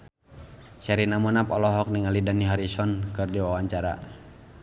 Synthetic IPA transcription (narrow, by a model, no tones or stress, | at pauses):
sɛɾinamɔnapɔlɔɦɔk̚niŋalidaniɦaɾisɔnkɨrdiwawaɲt͡ʃaɾa̰